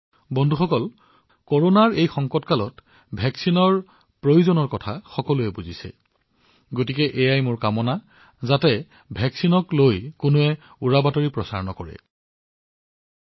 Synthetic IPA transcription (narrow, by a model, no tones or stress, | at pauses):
bɔndʱuxɔkɔl | kɔɹonaɹejxɔŋkɔtkalɔt | bʱɛksinɔɹ | pɹojuzɔnɔɹkɔtʰaxɔkɔlʊɛbuzisɛ̰ | ɡotikɛʔejajmʊɹkamɔna | zatɛ | bʱɛksinɔklojkʊnoɛ | uɹabatoɹipɹɔsa̰ɹɔnɔkɔɹɛ̰